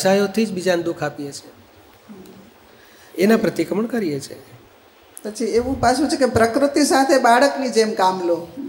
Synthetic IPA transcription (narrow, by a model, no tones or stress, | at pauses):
sajot̪ʰid͡ʒbid͡ʒand̪ukʰapijet͡ʃʰe | enapɾət̪ikəməɳkəɾijet͡ʃʰe | pət͡ʃʰieʋũpaʃʰũt͡ʃʰekepɾəkɾut̪isat̪ʰebaɭəknid͡ʒemkamlo